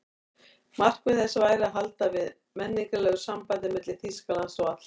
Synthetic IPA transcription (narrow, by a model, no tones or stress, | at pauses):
mar̥kvɪθɛsːʏvaːjɾɪaðɦalt̪avɪð | mɛnːiŋkalɛɣʏsampajðɪmɪt̪lɪθiskalansɔwat̪l̥